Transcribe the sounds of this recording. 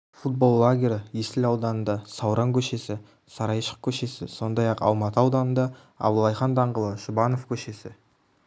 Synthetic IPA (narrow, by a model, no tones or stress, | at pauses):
fut̪̚bo̞lˠːaɡʲe̞ɾəjest̪ɪlɑwd̪ɑnənd̪ɑsɑwɾʔɑŋkʲʰɵʃe̞sɪ | sɑɾɑjʃə̥q̚kʲʰɵʃe̞sɪ̰so̞nd̪ɑjɑqɑ̰lˠmɑt̪əɑwd̪ɑnənd̪ɑ | ɑ̰bəlˠːɑjχɑnd̪ɑɴʁəlˠəʃʊbɑno̞fkʲʰɵʃe̞sɪ